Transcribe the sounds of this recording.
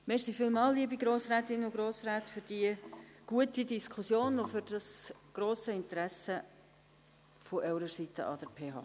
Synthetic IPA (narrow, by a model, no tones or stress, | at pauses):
mɛɾsiːfiːlmɑːlliəbiɡɾoːsɾæːtɪnʊɡɾoːsɾæːtfʏɾd̥iəɡ̥uətidiskʰusjoːnofʏɾd̥ɑsɡ̥ɾoːsəɪntəɾæsə | foʔɛʊɾəsitə̰ʔɑ̰d̥əɾpʰeːɦɑ̰ː